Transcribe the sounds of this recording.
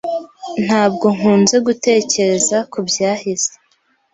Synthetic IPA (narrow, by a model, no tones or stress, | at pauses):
n̥haːb̚ɡo̞ŋuːnze̞ɡute̞ːce̞ɾe̞zakubjaːhiz̥e